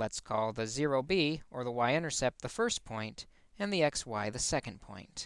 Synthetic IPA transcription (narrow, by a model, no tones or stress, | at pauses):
lətskʰɔlˠðɨzɪɹoʊbiʔə˞ðəwaɪɪ̃ñə˞sɛp̚t̪̚ðɨfɜ˞spʰɔ̃ɪ̃nt | ɨ̃nðiɛkswaɪðɨsɛkɨ̃n̩pʰɔ̰̃ɪ̃nt